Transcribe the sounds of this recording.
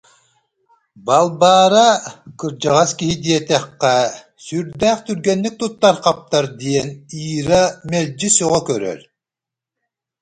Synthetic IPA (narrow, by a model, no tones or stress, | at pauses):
balˠbaːɾakɯɾd͡ʑaʁaskiɦid̪iɛt̪ɛχːɛ | syɾd̪æːχt̪yɾɡɛnːyk̚t̪ut̪ːaɾqap̚t̪aɾd̪iɛniːɾamɛlʲd͡ʒisɔʁɔkœɾœ̰l